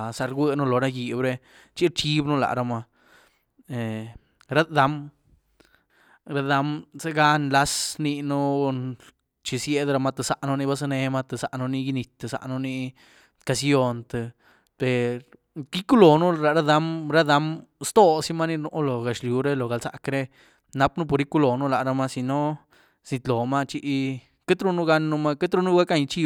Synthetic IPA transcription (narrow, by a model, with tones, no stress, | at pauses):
sa˧ɾɡʷə˦˧nu˦lo˨ɾa˦ji˧bɾe˧ | t͡ʃi˦ɾt͡ʃi˦bnu˦la̰˨ɾa˧ma˧ | e˨ | ɾa˦d̪a˧˦m | ɾa˧d̪a˧˦mze˦ɡa˦nla˦sni˧nu˦ | t͡ʃi˧sje˧d̪ɾa˧ma˧t̪e˧sa˧˨ʔnu˧ni˦ba˧s̬a˧ne˧ma˧t̪e˨sa̰˨˧ʔnu˧ni˧ji˧ni˧t̪e˧sa̰˧ʔnu˦˧ni˧ | ka˧sjo˧nt̪e˧ | pe˨ɾ | ki˦ku˦lo˨nu˦˧ɾa˧ɾa˦d̪a˧mɾa˦d̪a˧˦mst̪o˦si˦ma˦ni˧nu˧ʔlo˨ɡa˨ʃlju˨ɾe˦lo˨ɡa˨lsa̰˧kɾe˧ | na˧pnu˦po˧ɾi˦ku˧˦lo˨nu˦la˨ʔɾa˧ma˧si˧no˦ | sni˧t̪lo˨ma˦˧t͡ʃi˧ʔ | ke˦t̪ɾu˧nu˦ɡa˧nːu˧ma˦ke˦t̪ɾu˧nu˦ɡa˦ka˧ɲ˧t͡ʃi˦